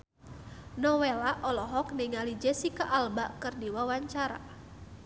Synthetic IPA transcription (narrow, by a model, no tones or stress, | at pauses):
nɔwɛlaʔɔlɔɦɔk̚niŋalid͡ʒɛsikaʔːlbaʔkɨrdiwawaɲt͡ʃaɾa̰